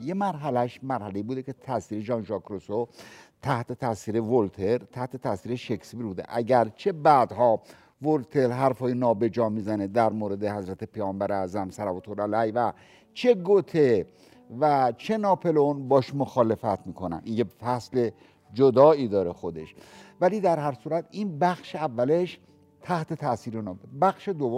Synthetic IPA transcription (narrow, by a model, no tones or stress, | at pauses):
je̞mæɾɦælæʃmæɾhæle̞iːbuːd̪ekʰe̞t̪ʰæsiːɾe̞ʒɒːnʒɒkɾosot̪ʰæht̪ʰet̪ʰæsiːɾe̞volt̪ʰe̞ɾt̪ʰæht̪ʰet̪ʰæsiːɾeʃekspiɾbuːd̪ḛʔæɟæɾt͡ʃʰe̞bæːd̪hɒː | volt̪ʰe̞ɾɦæɾfhɒːjinɒːbe̞d͡ʒɒːmiːzæned̪æɾmoːɾe̞d̪ehæzɾæt̪ʰe̞pʰejɒːmbæɾeæzæmsæɾæbot̪ʰoɾælæjvæ | t͡ʃʰe̞ɡot̪ʰe | væt͡ʃʰe̞nɒːpʰe̞lonbɒːʃmoxɒːle̞fæt̪ʰmiːkʰonæ̰ninjefæsle̞ | d͡ʒod̪ɒːiːd̪ɒːɾe̞xo̞d̪e̞̰ʃvæliːd̪æɾɦæɾsuːɾæt̪ʰinbæxʃeævːæleʃ | t̪ʰæht̪e̞t̪ʰæsiːɾenbæxʃe̞d̪ovːo